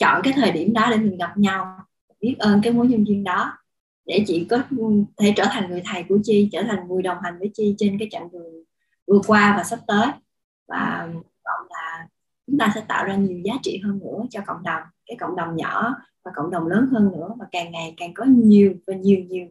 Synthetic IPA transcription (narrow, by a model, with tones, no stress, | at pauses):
t͡ɕɔ̰˧˨nkaː˨˦jt̪ʰəː˨˩jɗi˧˩əmɗɔ˨˦ɗe˧˩mï˨˩ŋ̟ɣa˨˩p̚ɲa˧w | ɓi˦˥t̚ʔəː˧nkaː˨˦jmo˨˦jɲwɨ˧nvi˧ənɗɔ˨˦ | ɗe˧˩t͡ɕḭ˧˨kɔ˨˦t̪ʰe˧˩t͡ɕəː˧˩t̪ʰa˨˩jŋ̟ŋɨ˨˩əjt̪ʰa˨˩jku˧˩ət͡ɕi˧t͡ɕəː˧˩t̪ʰa˨˩ŋ̟vu˨˩əjɗə˨˩wŋ͡mɦa˨˩jŋ̟vəː˨˦jt͡ɕi˧t͡ɕe˧nkaː˨˦jt͡ɕa̰˧˨ŋvɨ˨˩ə | vɨ˨˩əkwaː˧vaː˨˩sə˦˥p̚t̪əː˨˦j | va̰ː˨˩˨ | vɔ̰˧˨nlaː˨˩ | t͡ɕʊ˨˦ŋ͡mt̪aː˧sɛ̰˧˥t̪a̰ː˧˨wzaː˧ɲi˨˩əwzaː˨˦t͡ɕḭ˧˨ɦəː˧nːɨ̰˧˥ət͡ɕɔ˧ko̰˧˨wŋ͡mɗə˨˩wŋ͡mkaː˨˦jko̰˧˨wŋ͡mɗə˨˩wŋ͡mɲɔ˧˩˥ | vaː˨˩kə̰˧˨wŋ͡mɗə˨˩wŋ͡mləː˨˦nɦəː˧nːɨ̰˧˥əvaː˨˩kaː˨˩ŋːa˨˩jkaː˨˩ŋkɔ˨˦ɲi˨˩əwvaː˨˩ɲi˨˩əwɲi˨˩əw